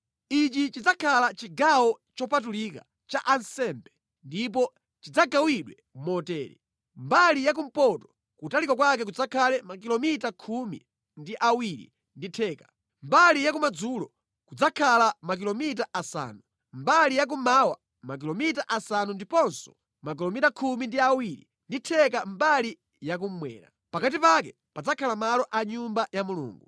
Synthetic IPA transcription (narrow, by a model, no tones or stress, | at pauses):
it͡ʃit͡ʃid͡zakʰalat͡ʃiɡawɔt͡ʃɔpat̬ulika̰ | t͡ʃa̰ʔansɛmbɛ | ndip̬ɔ | t͡ʃid͡zaɡawiɗwɛ | mɔtɛːɾḭ | mbalijak̬um̩pɔtɔ̥ | kutalikwak̬wak̬ɛk̬ud͡zakʰalɛmakilɔmitakʰumḭ | ndiʔawiɾḭ | nditʰɛːkḁ | mbalijakumad͡zulɔ | kud͡zakʰalamak̬ilɔmit̬aʔasa̰ːnu | mbalijak̬umawa̰ | mak̬ilɔmitaʔasanundipɔnsɔ̥ | mak̬ilɔmitakʰumindiawiɾḭ | nditʰɛk̬ambali | jak̬um̩mwɛ̰ːɾa̰ | pakat̬ipak̬ɛ | pad͡zakʰalamalɔʔaɲumbajamulṵːŋɡu